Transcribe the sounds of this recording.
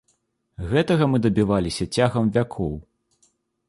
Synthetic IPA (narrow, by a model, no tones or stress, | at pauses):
ɣɛt̪ɐɣɐmɨd̪ɐbʲivalʲisʲɐt͡sʲaɣɐmvʲakʰɔw